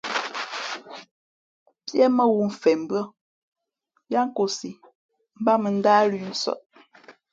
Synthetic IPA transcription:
pjɛ˦mə˦wu˨m̩˨fɛ˨m̩˨bɰə˦ | ja˦ŋ̩˦ko˨si˨ | m̩˦ba˦mə˨n̩˦daː˦li˦n̩˦sɔ̰˦t̚

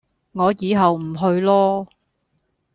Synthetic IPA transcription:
ŋɔː˨˧jiː˨˧ɦɐ˨wm̩˨˩ɦɵ˧ɥlɔː˥

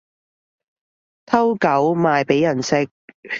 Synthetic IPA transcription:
t̪ʰɐ˥wkɐ˨˥wmaː˨jpe˨˥jɐ˨˩nsɪ˥k̚

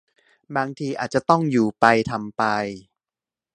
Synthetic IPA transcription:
baː˧ŋt̪ʰiː˧ʔa̰ː˨˩t̪̚t͡ɕa˨˩t̪ɔ˥˩ŋjuː˨˩pa˧jt̪ʰa˧mpa˧j

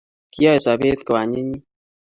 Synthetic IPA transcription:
ki˦ɔ˦e˨sa˨be˦t̪̚kɔ˨a˨ɲe˦ɲi˦

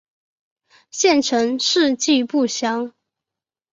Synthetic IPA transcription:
ɕjɛ˥˩nʈ͡ʂʰɤ˧˥ŋʂɻ̩˥˧t͡ɕi˥˧pu˥˩ɕjɑ˥ŋ

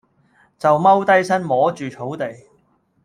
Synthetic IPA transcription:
t͡sɐ˨wmɐ˥wt̪ɐ˥jsɐ˥nmɔː˨˥t͡ʃyː˨t͡sʰo˨˥wt̪e˨j

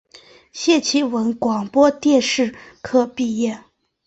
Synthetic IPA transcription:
ɕjɛ˥˩t͡ɕʰi˧˥wə˧˥nkwɑ˨˩ŋpwɔ˥t̪jɛ˥˧nʂɻ̩˥˩kʰɤ˥˧pi˥˧jɛ˥˩

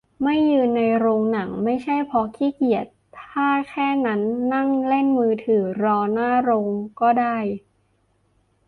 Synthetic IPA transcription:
ma˥˩jːɯː˧nːa˧jɾoː˧ŋna˩˦ŋma˥˩jt͡ɕʰa˥˩jpʰɔ˧kʰiː˦˥˩ki˨˩ət̪ʰaː˥˩kʰɛː˥˩na˦˥nːa˥˩ŋle˥˩nmɯː˧t̪ʰɯː˩˦ɾɔː˧naː˥˩ɾoː˧ŋkɔː˥˩daː˥˩j

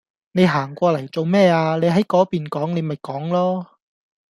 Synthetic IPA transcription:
ne˨˧jɦaː˨˩ŋkʷɔː˧lɐ˨˩jt͡so˨wmɛː˥aː˧ne˨˧jɦɐ˨˥jkɔː˨˥piː˨nkɔː˨˥ŋne˨˧mɐ˨jkɔː˨˥ŋlɔː˥

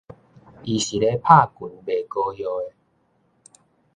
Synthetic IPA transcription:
i˨ɕi˨ɾe˦pʰa˥˨ku˨˩nbe˨ko˧ɦjɔ˧e˦

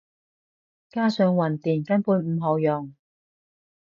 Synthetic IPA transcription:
kaː˥sœː˨˧ŋwɐ˨˩nt̪iː˨˩nkɐ˥npuː˨˧nm̩˨˧ɦɔ˨˧wjɔ˨ŋ

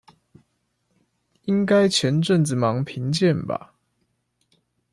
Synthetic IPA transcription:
i˦˥ŋka˦ɪt͡ɕʰjɛ˨˦nʈ͡ʂə˥˨nt͡sɹ̩˨mɑ˨˦ŋpʰi˨˦ŋt͡ɕjɛ˥˨nba̰˨˩

